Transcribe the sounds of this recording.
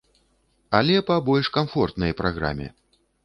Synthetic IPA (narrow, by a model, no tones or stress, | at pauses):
alʲɛpɐbɔlʲʂkamfɔrt̪nɐjpɾaɣɾa̰mʲɛ̰